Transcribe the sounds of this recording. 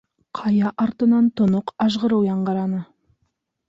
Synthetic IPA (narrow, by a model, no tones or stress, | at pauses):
qʰɑjɑʔɑɾt̪ənɑnt̪ʰʊnʊqɑʒʁəɾəwjɑɴʁɑɾɑnə